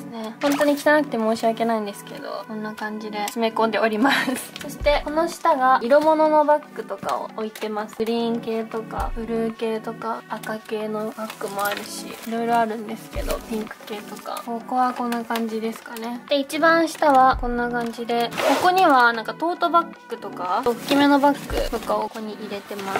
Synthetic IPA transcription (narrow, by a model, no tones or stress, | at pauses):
ne̞hõ̞nt̪o̞ɲ̟ikʲi̥t̪anakɯ̟t̪e̞mo̞ːɕiake̞naĩnd̪e̞sɨ̥ke̞d̪o̞̰sõ̞nːakãɲ̟d͡ʑid̪e̞ɕime̞kõ̞nd̪e̞o̞ɾʲimasɨ̥so̞ɕi̥t̪e̞ko̞no̞ɕi̥t̪aɡaiɾo̞mo̞no̞no̞bakːɯ̟t̪o̞ka̰o̰oit̪e̞masɨ̥ɯ̟ɾʲĩŋke̞ːt̪o̞ka̰bɯ̟ɾɯ̟ːke̞ːt̪o̞kaakake̞ːno̞bakːɯ̟mo̞aɾɯ̟ɕḭiɾo̞iɾo̞aɾɯ̟̃nd̪e̞sɨ̥ke̞d̪o̞pʲĩŋkɯ̟̥ke̞ːt̪o̞ka̰koko̞βakõ̞nːakãɲ̟d͡ʑid̪e̞sɨ̥kane̞d̪̥e̞it͡ɕibãɰ̃ɕi̥t̪aβakõ̞nːakãɲ̟d͡ʑid̪e̞ko̞ko̞ɲ̟iβanãŋkat̪o̞ːt̪o̞bakːɯ̟t̪o̞kaokʲːime̞no̞bakːɯ̟̰t̪o̞kaoko̞ɲ̟iʔiɾe̞t̪e̞ma